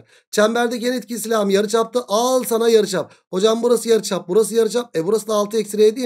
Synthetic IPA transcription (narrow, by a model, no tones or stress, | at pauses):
t͡ʃʰæmbæɾd̪ɛcenit̪̚cʰʲisilʲamjaɾɯt͡ʃap̚t̪ɯʔalˠsanajaɾɯt͡ʃap̚ | ho̞d͡ʒambuɾasɯjaɾɯt͡ʃʰap̚buɾas̬ɯjaɾɯt͡ʃap̚ɛbuɾasɯd̪aːlˠt̪ʰɯɛcʲsiɾeːd̪i